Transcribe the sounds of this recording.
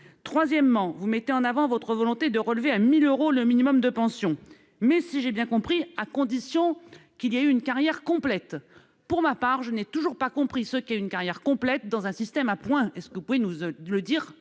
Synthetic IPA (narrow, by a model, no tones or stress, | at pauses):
t̪χwazjɛmːɑ̃vumɛt̪eɑ̃navɑ̃vɔt̪χəvɔlɔ̃t̪ed̪əʁəlveamiløʁoləminimɔmd̪əpɑ̃sjɔ̃ | mɛsiʒebjɛ̃kɔ̃pχiakɔ̃d̪isjɔ̃kilijayynkaʁjɛʁkɔ̃plɛt̪ | puʁmapaʁʒənɛt̪uʒuʁpakɔ̃pχisəkʲiayynkaʁjɛʁkɔ̃plɛt̪̚d̪ɑ̃zɛ̃sist̪ɛmapwɛ̃ɛskəvupuvenuləd̪iːʁ